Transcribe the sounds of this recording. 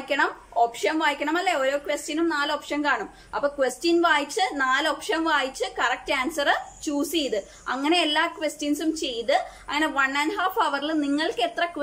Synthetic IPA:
ikʲːɐɳɐmo̞ːpʂɐnʋaːjikʲːɐɳɐmɐlːeo̞ːɾo̞ːkʋestinumnaːloːpʂɐnkaːɳum | ɐpːoːkʋestinʋaːjit͡ɕːɨnaːlo̞ːpʂɐmʋaːjit͡ɕːɨkɐrɐk̚taːnsɐrɨt͡ɕuːsejt̪ɨ | ɐŋːɐne̞elːaːkʋestinsumt͡ɕe̞jt̪ɨ | ɐŋːɐne̞ʋɐnːɐnɦaːfɐʋɐrilniŋːɐɭke̞t̪rɐkʋ

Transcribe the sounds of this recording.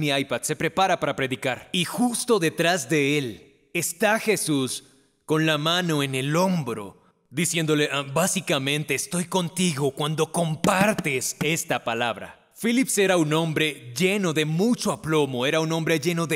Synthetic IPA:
miajpaðse̞pɾe̞paɾapaɾapɾe̞ðikaɾixust̪o̞ðe̞t̪ɾazðe̞e̞l | e̞st̪axe̞sus | ko̞nlamãno̞ene̞lo̞mbɾo̰ | ðisje̞nd̪o̞le̞ʔabasikamẽ̞nt̪e̞ːst̪o̞jko̞nt̪iɣo̞kwand̪o̞ko̞mpaɾt̪e̞se̞st̪apalaβɾa̰ | filipse̞ɾaunõ̞mbɾe̞ʝe̞no̞ðe̞mut͡ʃo̞aplo̞mo̞e̞ɾaunõ̞mbɾe̞ʝe̞no̞ðe

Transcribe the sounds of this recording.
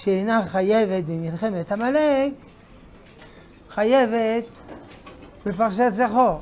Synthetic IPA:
ʃeenaχaje̞vet̪̚bemilχe̞met̪hamalek | χajevet̪ | befaʁʃ̬at̪zaχo

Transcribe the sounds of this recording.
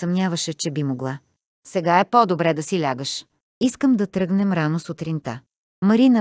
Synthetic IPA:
sɐmnʲavəʃɛt͡ʃɛbimoɡlˠa | sɛɡaɛpɔd̪obɾɛd̪ɐsilʲaɡəʃ | iskəmd̪ɐt̪ɾɤɡnɛmɾanosʊt̪ɾint̪a | mɐɾinə

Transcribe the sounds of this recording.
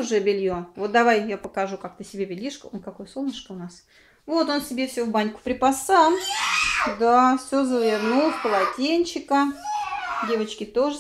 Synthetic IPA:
ʊʐɛbʲɪlʲjovo̞t̪̚d̪ɐvajjapəkaʐukak̚t̪əsʲɪbʲebʲɪlʲiʂkəonkɐkojəsolˠnʲəʂkəʊnas | vo̞t̪o̞nsʲɪbʲefsʲovbanʲkʊ̥pɾʲɪpasa | d̪afsʲozəvʲɪnufkəlˠɐtʲenʲt͡ɕɪkə | dʲe̞vət͡ɕkʲɪt̪o̞ʐə

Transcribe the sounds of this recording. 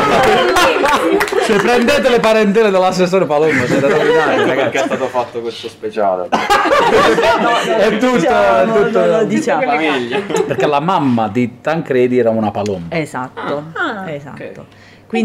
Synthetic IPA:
sepːɾɛnd̪eːt̪̬elepaɾent̪ɛːled̪elasːesːoːɾepalombasɛt̪aainaɾaɡakɛst̪aːt̪ofat̪ːokwest̪ospet͡ʃa̰ːle | ɛt̪ːut̪ːoɛt̪ːut̪ːod̪it͡ʃaaviʎːapeɾk̟elamamːad̪it̪aŋkɾɛːd̪iɛːɾamunapalombezat̪ːoeza̰ːo̰ | kwin

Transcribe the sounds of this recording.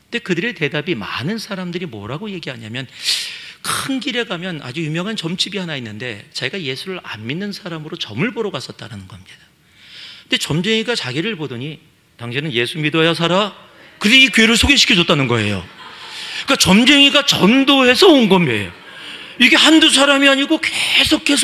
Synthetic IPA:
ɯnde̞kɯdɯɾe̞te̞dabima̰nɯnsʰaɾamdɯɾimʌ̰ɾaɡoje̞ɡiɦaɲamjʌn | kʰɯnɡiɾe̞ɡamjʌna̰d͡ʑujumjʌŋɦant͡ɕʌmt͡ɕʰibiɦanainːɯnde̞t͡ɕeiɡaje̞sʰuɾɯɭa̰nminːɯnsʰaɾamɯɾot͡ɕʌmɯɭboɾʌɡas͈ʌt̚t͈aɾanɯnɡʌhamɲid̥ḁ | kɯnde̞t͡ɕʌmd͡ʑe̞ŋiɡat͡ɕaɡiɾɯɭpodɯɲi | taŋɕʰinɯnje̞sʰumidʌjas̬ʰaɾa | kɯɾiikɥeɾɯɭsʰoɡeɕʰi̥kʰʌd͡ʑʌt͈anɯnɡʌe̞̰jo̰ | ik͈at͡ɕʌmd͡ʑe̞ŋiɡat͡ɕʌndoɦe̞sʰʌonɡʌmjʌḛjo | iɡe̞handus̬ʰaɾamiaɲiɡokesʰokʰːe̞sʰ

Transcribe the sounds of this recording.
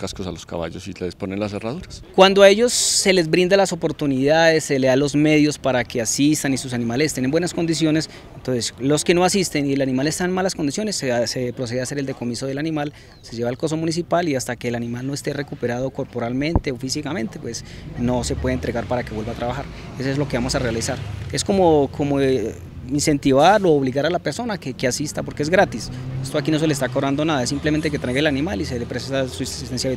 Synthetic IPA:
kaskosaloska̰βa̰ʝosilesponenlas̬eraðuɾaskwand̪oae̞ʝo̞sːe̞le̞zbɾind̪alaso̞po̞ɾt̪uniðaðe̞sːeleðalo̞zme̞ðjo̞spaɾake̞asist̪anisus̬anĩmalese̥st̪enembwe̞nasko̞nd̪is̬jo̞nes | ent̪o̞nse̞slo̞ske̞no̞asist̪e̞nielanĩmale̞st̪aenmalasko̞nd̪isjo̞nesesepɾoseease̞ɾe̞ld̪eko̞miso̞ð̞e̞lanimal | se̞ʝe̞βalko̞s̬o̞munis̬ipaliast̪ake̞ːlanĩmalno̞est̪e̞re̞kupe̞ɾaðo̞ko̞ɾpo̞ɾalmẽ̞nt̪e̞ofisikamẽ̞nt̪epwe̞sno̞se̞pwe̞ðent̪ɾe̞ɣaɾpaɾake̞βwe̞lbat̪ɾaβaxaɾ | esoezlo̞ke̞βamo̞sarealisaɾe̞sko̞mo̞kʰo̞mo | inse̞nt̪iβaɾloːβliɣaɾalape̞ɾso̞nakekeasist̪apoɾkee̞zɡɾat̪isest̪o̞akino̞s̬e̞leːst̪akorand̪o̞naðaes̬implement̪eke̞t̪ɾajɣelanimalise̞lepɾesesasusist̪ensjaβi

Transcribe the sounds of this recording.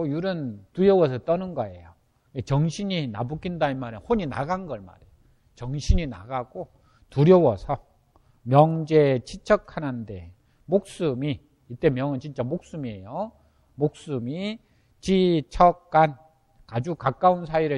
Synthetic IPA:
ojuɾɯntuɾjʌwʌsʰʌt͈ʌnɯnɡʌe̞̰jo | et͡ɕʌŋɕʰiɲinabuk͈indaimaɾɯnhoɲina̰ɡanɡʌɭma̰ɾejo | t͡ɕʌŋɕʰiɲina̰ɡaɡ̥o | tuɾjʌwʌsʰʌ | mjʌŋd͡ʑet͡ɕʰit͡ɕʰʌkʰanɯnde̞̰ | mok̚s͈umiː | t͈e̞mjʌŋɯnt͡ɕint͡ɕ͈amok̚s͈umiejo | mok̚s͈umi | t͡ɕit͡ɕʰʌk̚k͈ːan | kad͡ʑukak͈auns̬ʰaiɾɯ

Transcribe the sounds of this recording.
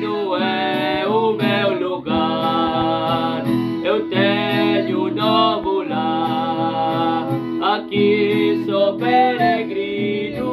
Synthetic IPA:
nũ | ɛ | ʊmewluɡa | ɾ | ewt̪eɲʊnɔvʊla | ɾ | akisɔpeɾeɡɾinʊ

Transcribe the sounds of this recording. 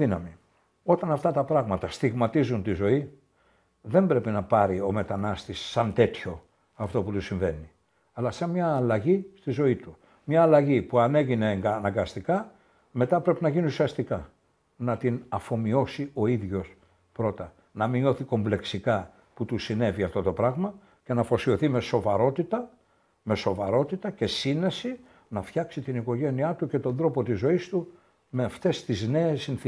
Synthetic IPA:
inɐmi | o̞t̪ɐnɐft̪ɐt̪ɐpɾɐɣmɐt̪ɐst̪iɣmɐt̪izunt̪izo̞i | ðe̞mbɾe̞pinɐpɐɾio̞me̞t̪ɐnɐst̪isːɐnt̪e̞t̪ço̞ | ɐft̪o̞put̪usiɱve̞ni | ɐlɐsɐmɲɐːlɐʝist̪izo̞it̪u | mɲɐːlɐʝipuɐne̞ʝine̞ŋɡnɐŋɡɐst̪ikɐ | me̞t̪ɐpɾe̞pinɐʝiniusiɐst̪ikɐ | nɐt̪inɐfo̞mio̞sio̞iðʝo̞s | pɾo̞t̪ɐ | nɐmino̞θiko̞mble̞ksikɐ | put̪usine̞viɐft̪o̞t̪o̞pɾɐɣmɐ | ce̞nɐfo̞sio̞θime̞so̞vɐɾo̞t̪it̪ɐ | me̞so̞vɐɾo̞t̪it̪ɐcesine̞si | nɐft̪çɐksit̪iniko̞ʝe̞niɐt̪uce̞t̪o̞nðɾo̞po̞t̪izo̞ist̪u | me̞ɐft̪e̞st̪izne̞ːsːinθ

